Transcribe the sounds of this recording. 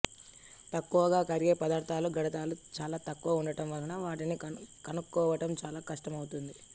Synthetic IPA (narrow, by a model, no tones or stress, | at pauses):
t̪ɐkːuʋɐɡaːkɐɾiɡeːpɐd̪aːɾt̪ʰaːluɡɐɽɐt̪aːlut͡ʃaːlaːt̪ɐkːuʋɐuɳɖɐʈɐmʋɐɾɐnɐʋaːʈinikɐnukːɔːʋɐʈɐmt͡ʃaːlaːkɐʂʈɐmɐwt̪und̪i